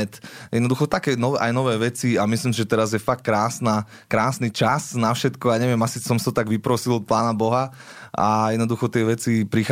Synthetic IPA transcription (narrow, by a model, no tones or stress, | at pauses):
ɛt̪jɛd̪nɔd̪uxɔt̪akɛːnɔʋɛʔajnɔʋɛːʋɛt͡siamisliːmsiʒɛt̪ɛɾazjɛfak̚kːɾaːsnaː | kɾaːsnit͡ʃasnafʃɛt̪kɔaɲɛʋɪɛmasisɔmsaɔt̪aɡʋipɾɔsilˠɔt̪̚plaːnabɔɦa | a̰jɛd̪nɔd̪uxɔt̪ɪɛʋɛt͡sipɾix